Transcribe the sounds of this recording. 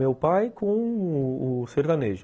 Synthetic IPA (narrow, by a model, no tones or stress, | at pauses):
ewpajkõʊʊseɾd̪ɐneʒʊ